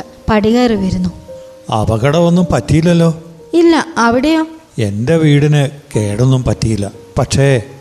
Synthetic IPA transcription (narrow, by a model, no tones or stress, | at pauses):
pɐɽiɣɐːrɨʋɐɾunːu | ɐ̰bɐɣɐɽɐo̞nːumpɐtːijilːɐlːo̞ː | ilːɐɐʋiɽejoː | e̞ndeʋiːɽinɨke̞ːɽunːumpɐtːijilːɐ̰pɐʈʂe